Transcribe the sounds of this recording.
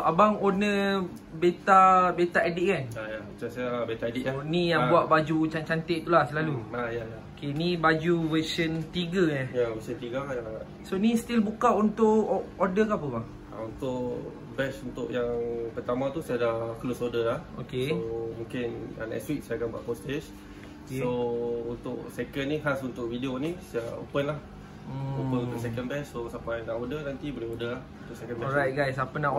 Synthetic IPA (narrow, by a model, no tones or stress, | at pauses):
abaŋonə | bet̪abet̪aediʔkanajawət͡ʃansajaːbet̪aediʔanĩjabuaʔbad͡ʒut͡ʃant͡ʃant̪eʔt̪ulahsəlaluajajaokenibad͡ʒuwəsənt̪iɡəajawəsənt̪iɡəja | sonĩst̪ilbukaʔunt̪ʊʔodəkapəbaŋ | a̰unt̪ʊʔ | bɛsunt̪ʊ̰ʔjaŋpərt̪amãt̪usajadaklɔsodəlahokesomũŋkɪna̰naɛ̰ʔstɾit̪̚sajakanba̰ʔpost̪et͡ʃ | sount̪ʊʔsekənːĩɦasunt̪ʊʔvideonĩsajao̰pənlah | opənunt̪ʊʔsɛkənbɛsːosapajnaʔodənant̪ibəliodəlahunt̪ʊʔsɛkənbɛajt̚ɡajsapənaʔ